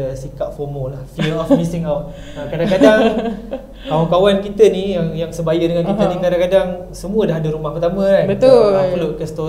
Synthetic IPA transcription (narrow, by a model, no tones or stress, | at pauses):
əsikat̪̚fɔmolahfəlɔfmisiŋawt̪̚ | akadaŋkadaŋ | kawankawankit̪ənijaŋjaŋsəbajədəŋankit̪ənikadaŋkadaŋ | səmũədaɦadəɾumahpət̪amə̃kanbəapəloʔkəst̪o